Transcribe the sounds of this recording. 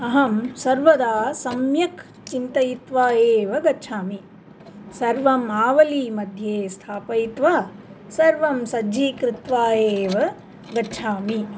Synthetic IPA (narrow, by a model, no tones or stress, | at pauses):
ɐɦɐmsɐɾʋɐd̪aːsɐmjɐk | t͡ʃint̪ɐjit̪ʋaːjeːʋɐɡɐt͡ʃʰaːmi | sɐɾʋɐmaːʋɐliːmɐd̪ʱjeːst̪ʰaːpɐjit̪ʋaː | sɐɾʋɐmsɐd͡ʒʱiːkɾɪt̪ʋaːjeːʋɐ | ɡɐtːt͡ʃʰaːmi